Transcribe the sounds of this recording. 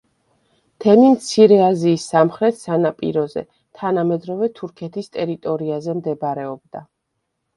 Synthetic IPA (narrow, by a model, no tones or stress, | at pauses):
t̪ʰɛmimt̪sʰiɾɛaziːsːamχɾɛt̪ʰsanapʼḭɾɔzɛ̰ | t̪ʰanamɛd̪ɾɔvɛt̪ʰuɾkʰɛt̪ʰist̪ʼɛɾit̪ʼɔɾiazɛmd̪ɛbɾɛɔb̚d̪a